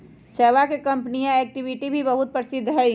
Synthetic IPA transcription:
seːʋakekɐ̃mpnijãeːk̚ʈɪʋɪʈibʱibɐɦʊt̪̚pɾɐsɪd̪ʱːɦɛ

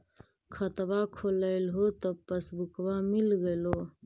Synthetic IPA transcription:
kʰət̪bakʰoləɪlɦot̪əpəsbukbamilɡəlo

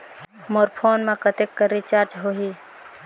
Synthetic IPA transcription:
moɾpʰonmekət̪ekːəɾːit͡ʃaɾt͡ʃɦoɦi

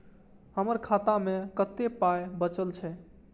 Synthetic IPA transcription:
həməɾkʰat̪amekət̪epajbət͡ʃəlt͡ʃʰɛ

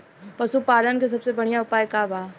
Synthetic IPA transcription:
pɐsupaːlənkes̬ɐbsebɐɽ̤ijaʊpaːjkabaː

